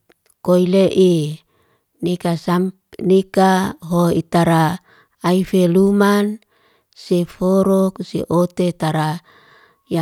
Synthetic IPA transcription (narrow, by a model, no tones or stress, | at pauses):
koileʔi | nekasampnekaɦoit̪aɾaː | ifeluman | sefoɾɔksḛʔot̪et̪aɾa | ja